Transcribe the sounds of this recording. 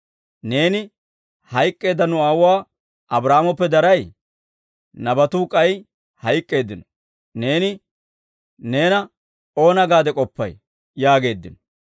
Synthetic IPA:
ne̞ːnɪ | hɐjkʼːe̞ːd̪ːɐnʊaːwʊwaː | ʔɐbɾaːmɔpːɛd̪ɐɾɐj | nɐbɐt̪uːkʼɐj | hɐjkʼːe̞ːd̪ːɪnɔ | ne̞ːnɪ | ne̞ːnɐ | o̞ːnɐɡaːd̪ɛkʼɔpːɐ̰j | jaːɡe̞ːd̪ːɪnɔ

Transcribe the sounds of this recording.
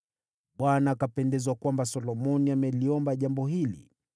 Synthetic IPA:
ɓwanaːkapɛndɛzwakwambasɔlɔmɔniamɛliɔmbaʄambɔɦilḭ

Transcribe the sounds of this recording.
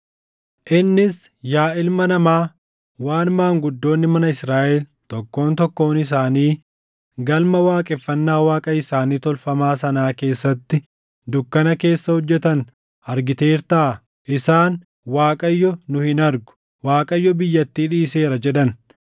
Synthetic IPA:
ʔɪnːɪs | jaːʔɪlmɐnɐmaː | waːnmaːŋɡʊd̪ːo̞ːnːɪmɐnɐɪsɾaːʔɛl | t̪ɔkːo̞ːnt̪ɔkːo̞ːnɪs̬aːniː | ɡɐlmɐwaːkʼɛfːɐnːaːwaːkʼɐɪsaːniːt̪ɔlfɐmaːsɐnaːke̞ːsːɐt̪ːɪ | d̪ʊkːɐnɐke̞ːsːɐhɔd͡ʒːɛt̪ɐn | ɐɾɡɪt̪e̞ːɾt̪aː | ʔɪsaːn | waːkʼɐjːɔnʊhɪnɐɾɡʊ̥ | waːkʼɐjːɔbɪjːɐt̪ːiːᶑiːse̞ːɾɐd͡ʒɛᶑɐn

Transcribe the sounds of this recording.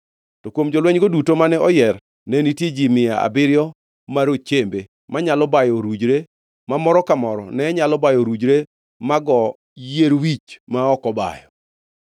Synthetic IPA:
tɔkwomd͡ʒɔlwɛɲɡodutomanɛɔjɛr | nɛnitjed͡ʒimɪjaa̰bɪɾjɔ | maɾot͡ʃembe | maɲalɔbajɔɾud͡ʒɾe | mamɔɾɔkamɔɾɔ̰nɛɲalɔbajɔɾud͡ʒɾe | maɡɔ | jeɾwit͡ʃmaɔkɔba̰jɔ

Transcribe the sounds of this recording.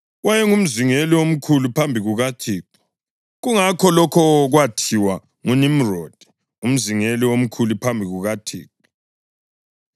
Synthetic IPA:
wajɛŋum̩ziŋeliwom̩kʰulupʰambʱiɣuɣatʰiːku̥ | ɣuŋakʰɔlɔkʰɔɣwatʰiwa | ŋunimrɔd̥ʱi̥ | um̩ziŋeliwom̩kʰulupʰambʱiɣuɣatʰḭːk̚ɔ

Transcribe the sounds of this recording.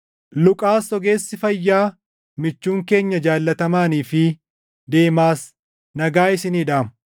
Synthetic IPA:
lʊkʼaːsɔɡe̞ːsːɪfɐjːaː | mɪt͡ʃːuːŋke̞ːɲːɐd͡ʒaːlːɐt̪ɐmaːniːfɪ | d̪e̞ːmaːs | nɐɡaːɪsɪniːᶑaːmʊ

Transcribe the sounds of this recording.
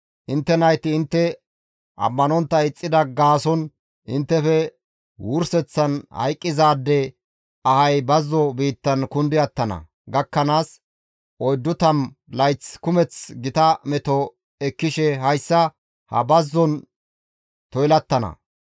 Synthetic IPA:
ʔɪnt̪ːɛnɐjt̪ɪɪnt̪ːɛ | ʔɐ̰mːɐnɔnt̪ːɐɪt͡sʼːɪd̪ɐɡaːsɔn | ʔɪnt̪ːɛfɛ | wʊɾsɛt͡sːɐnhɐ̰jkʼːɪzaːd̪ːɛ | ɐhɐjbɐzːɔbiːt̪ːɐnkʊnd̪ɪɐt̪ːɐnɐ̰ | ɡɐkːɐnaːs | ʔɔjd̪ːʊt̪ɐnlɐjt͡skʊmɛt͡sɡɪt̪ɐmɛt̪ɔ | ɛkːɪʃɛɦɐjsːɐ | hɐ̰bɐzːɔn | t̪ɔjlɐt̪ːɐnɐ̰

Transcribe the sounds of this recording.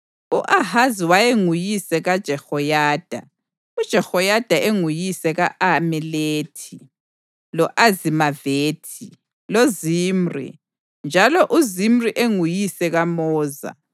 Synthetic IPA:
uʔahaziwajeŋujisɛɣad̥ʒ̥ʱɛxɔjaːd̥ʱa | ud̥ʒ̥ʱɛxɔjad̥ʱaʔeŋujisɛɣaʔamɛleːtʰi | lɔʔazimaveːtʰi | loziːm̩rḭ | nd͡ʒʱalɔʔuzimriʔeŋujisɛɣamɔːza̰

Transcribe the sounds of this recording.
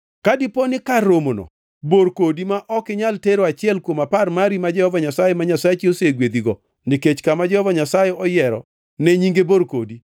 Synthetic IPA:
kadɪponɪkaromonɔ̰ | boɾkodimaʔɔkɪɲalteɾoat͡ʃɪɛlkwomaparmaɾimad͡ʒɛhɔvaɲasajemaɲasajt͡ʃioseɡwed̪iɡɔ | nɪket͡ʃkamad͡ʒɛhɔvaɲasajɛɔjɛɾɔ̰ | nɛɲiŋɡeboɾkodi

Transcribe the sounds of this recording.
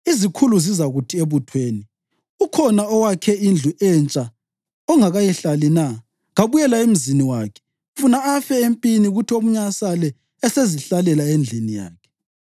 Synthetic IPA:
izikʰuluzizaɣutʰieβutʰweːni | ukʰɔnaɔwakʰɛind͡ɮʱuʔɛnt͡ʃʼa | ɔŋaɣajɛɬalina | ɣaβujɛlaem̩ziniwaːkʰɛ̥ | funaːfɛempʼiniɣutʰiom̩ɲasalɛː | seziɬalɛlaend͡ɮʱinija̰ːkʰɛ̥

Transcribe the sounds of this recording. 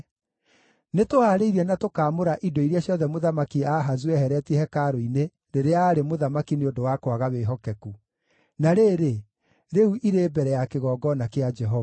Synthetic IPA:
netoaːɾeiɾɛnatokaːmoɾaʔidoiɾjaɕjɔðɛmoðamakiaɦazuɛhɛɾɛtiɛhɛkaɾoine | ɾeɾeaːɾemoðamakineondowakwaɣaweːɦɔkɛku | naɾeːɾe | ɾeuʔiɾeːbɛɾɛjakeɣɔːɡɔnakead͡ʒɛɦɔva

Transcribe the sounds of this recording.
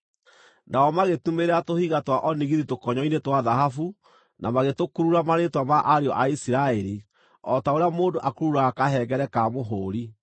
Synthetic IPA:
naɔmaɣetumeɾeatohiɣatwaʔɔniɣiðitokɔɲɔinetwaðaɦafu | namaɣetokuɾuɾamaɾetwamaʔaɾeɔʔaisiɾaɛɾi | ɔtaoɾeamoːdoʔakuɾuɾakaɦɛɡɛɾɛkamoɦoːɾi

